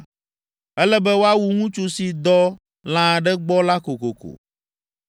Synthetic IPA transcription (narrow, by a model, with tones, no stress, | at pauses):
ɛ˦lɛ˦bɛ˦wo˦a˦wu˨ŋũ˦t͡ʃu˦si˨d̪ɔ˦ | l̃ã˨ɖɛ˦ɡ͡bɔ˦la˦ko˨ko̰˨ko̰˨